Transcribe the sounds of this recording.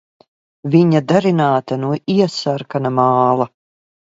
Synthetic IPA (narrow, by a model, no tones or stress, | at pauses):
viɲad̪aɾinaːt̪anuɔʔiɛsaɾkanamaːlˠa